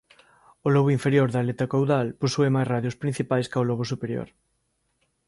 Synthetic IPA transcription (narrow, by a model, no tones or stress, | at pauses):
olɔβ̞oiɱfeɾjoɾðalet̪akowðalposuemajzraðjospɾin̟θipajskaolɔβ̞ʊsupeɾjo̰ɾ